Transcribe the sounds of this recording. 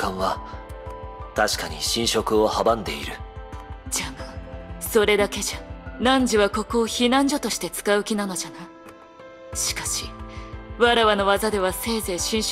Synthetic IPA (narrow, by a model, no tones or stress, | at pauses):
kãɰ̃βa | t̪aɕi̥kaɲ̟iɕĩɰ̃ɕo̞kɯ̟o̞habãnd̪e̞̰iɾɯ̟ | d͡ʑamaso̞ɾe̞d̪ake̞ʑanãɲ̟d͡ʑiβako̞ko̞ːçinãɲ̟d͡ʑo̞t̪o̞ɕi̥t̪e̞t͡sɨ̥kaɯ̟kʲinano̞d͡ʑana | ɕi̥kḁɕi̥ | βaɾaβano̞βazad̪e̞β̞ase̞ːze̞ːɕĩɰ̃